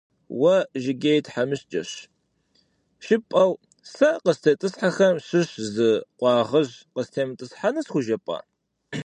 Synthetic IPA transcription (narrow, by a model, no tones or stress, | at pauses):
wɐʒɪɡʲejtħamɨɕd͡ʒʼɐ̰ɕ | ʃɪpʼɐw | sɐqəstʰɐtʼɨsħaxɐmɕɨɕzɨqʷɑːʁɐʑqəstʰeːmɨtʼɨsħanɐsxʷʊʒɐpʼa̰ː